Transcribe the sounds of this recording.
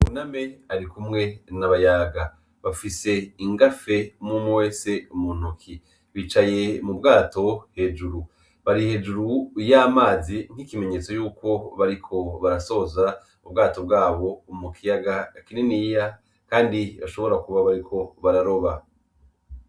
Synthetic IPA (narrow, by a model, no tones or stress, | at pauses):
uname̞aɾikumŋe̞naβajaɡa | βafise̞iŋɡafe̞mumuwe̞se̞umun̥ukʰi | βit͡ʃaje̞mubɡaːto̞he̞d͡ʒuɾu | βaɾihe̞ːd͡ʒuɾujamaːziŋ̥hikime̞ɲe̞t͡so̞juːko̞βaɾikʰo̞βaɾaso̞za | ubɡaːto̞bɡaːβo̞umukʰijaɡakininija | kaːndiβaʃo̞βo̞ɾakuβaβaɾikʰo̞βaɾaɾo̞βa